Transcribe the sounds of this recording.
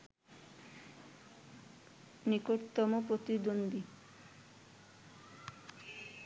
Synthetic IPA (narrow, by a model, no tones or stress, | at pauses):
nikoɾt̪ɔmopɾot̪id̪ond̪i